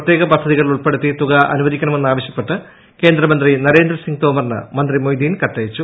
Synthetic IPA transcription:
ɐt̪ːjeːɣɐpɐd̪ʱːɐðiɣɐɭiluɭpe̞ɽut̪ːit̪uɣɐʔɐ̰nuʋɐðikʲːɐɳɐme̞nːaːʋɐɕjɐ̥pːe̞ʈːɨ | ke̞ːnd̪rɐmɐnd̪rinɐɾe̞ːnd̪ɾɐsiŋɡt̪oːmɐrnɨ̰mɐnd̪rimojd̪iːnkɐʈːɐjɐt͡ɕːu

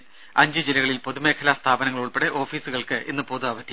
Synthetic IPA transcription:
ɐɲd͡ʑɨd͡ʑilɐɣɐɭilpo̞ðume̞ːkʰɐlast̪ʰaːbɐnɐŋːɐɭuɭpe̞ɽeʔo̞ːfiːsuɣɐɭkɨʔenːɨpo̞ːðuɐʋɐt̪ʰːi

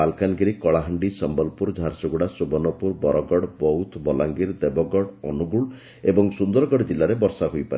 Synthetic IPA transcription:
alkanɔɡiɾikɔɭaɦəɳɖisɔmbɔlpuɾd͡ʒʱaɾsuɡuɽasubɔnɔpuɾbɔɾɔɡɔɽbɔut̪ʰbɔlaŋɡiɾd̪ebɔɡɔɽɔnuɡuɭ | ebɔŋsund̪ɔɾɔɡɔɽd͡ʒilːaɾebɔɾsaɦojpaɾi

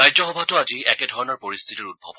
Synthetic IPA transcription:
ajd͡ʒɔxɔbʱatɔaziɛkɛdʱɔɹɔnɔɹpoɹist̪ʰitiɹud̚bʱɔb

